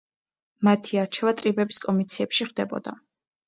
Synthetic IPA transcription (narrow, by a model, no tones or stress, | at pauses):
mat̪ʰiaɾt͡ʃʰɛvat̪ʼɾibɛbiskʼɔmit̪sʰiɛpʃiχvd̪ɛbɔ̰d̪̥a